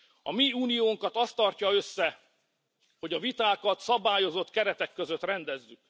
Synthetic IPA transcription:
ɒmiuːnijoːŋkɒt̪ɒst̪ɒrcɒøsːɛ | ho̞ɟɒvit̪aːkɒt̪sɒbaːjo̞zo̞t̪kɛɾɛt̪ɛkːø̞zø̞t̪rɛnd̪ɛzːyk̚

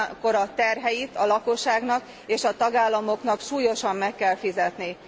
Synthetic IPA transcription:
ko̞ɾɒt̪ɛrɦɛjit̪ɒlɒko̞ʃːaːɡnɒk | eːʃɒt̪ɒɡaːlːɒmo̞knɒkʃuːjo̞ʃɒmːɛkːɛlfizɛt̪ni

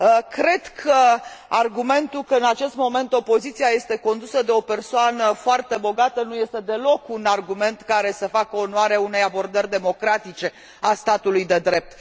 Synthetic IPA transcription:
əkɾe̞d̪kʰəarɡume̞nt̪ulkəɨnat͡ʃe̞st̪mo̞me̞nt̪o̞po̞zit̪siaje̞st̪e̞ko̞nd̪usəd̪e̞o̞pe̞rsoanəfoart̪e̞bo̞ɡat̪ənuje̞st̪e̞d̪e̞lo̞kunarɡume̞nt̪kaɾe̞səfakəonoaɾeaune̞jabo̞rd̪ərʲd̪e̞mo̞kɾat̪it͡ʃe̞ | ast̪at̪ulujd̪e̞d̪ɾe̞p̚t̪

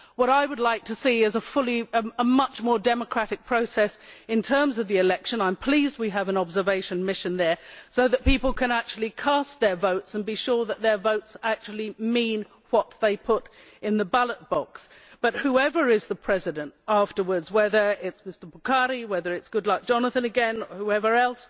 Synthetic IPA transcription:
wʌɾaɪwədˡlaɪk̚tʰɨsiɪzəfʊlˠiəəmʌt͡ʃmɔɹdɛməkʰɹ̥æɾɨk̚pʰɹ̥oʊsɛsɨ̃ntʰɜ̃˞mzʌvðiɨlɛkʃɨ̃nãɪ̃mpʰl̥izd̚wiɨvɨ̃nɑbzə˞veɪʃɨ̃nmɪʃɨ̃nðə˞soʊðɨt̚pipl̩ˠkʰɨ̃næk̚t͡ʃʉl̩ˠikʰæst̪̚ðə˞voʊtsɨ̃nbiʃʊɹðət̪̚ðə˞voʊtsæk̚t͡ʃul̩ˠimĩn | wʌt̪̚ðeɪpʰʊɾ | ɨ̃nðəbʌlˠət̚b̥ɑks | b̥ʌt̚huɛvə˞ɪzðəpʰɹ̥ɛzɨɾɨ̃ntæftə˞wə˞dzwɛðə˞ɪtsmɪstə˞bəkʰɑɾiwɛðə˞ɨtsɡ̥ʊdˡlaɪk̚d̥ʒ̥ɑnəθɨ̃nɨɡɛ̃nəhuɛvə˞ɛlˠs

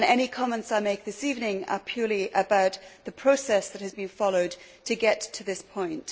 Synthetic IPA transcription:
nɛɾ̃ikʰɒmɛ̃ntsaɪmeɪk̚ðɪsivnɪ̃ŋə̰pʰj̥ɔːliʔəbaʊt̪ðəpʰɹ̥oʊsɛsðɨt̚hɨzbɨ̃nfɑloʊd̚tʰɨɡɛtʰəðɪspʰɔ̃ɪ̃nt

